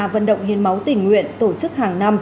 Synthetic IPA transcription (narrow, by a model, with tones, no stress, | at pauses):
a˨˩və̰˧˨nɗə̰˧˨wŋ͡mhi˨ənma˨˦wt̪ï˨˩ŋ̟ːwḭ˧˨ənt̪o˧˩t͡ɕɨ˦˥k̚haː˨˩ŋna˧m